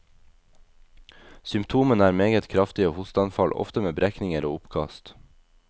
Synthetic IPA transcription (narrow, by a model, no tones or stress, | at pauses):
sʏmpt̪ʰuːmənæːɾmeːɡət̪kʰɾɑft̪ɪoːhʊst̪ɑnfɑlʔɔ̰ft̪əmeːbɾæknɪŋəɾoːʊpkʰɑ̰st̪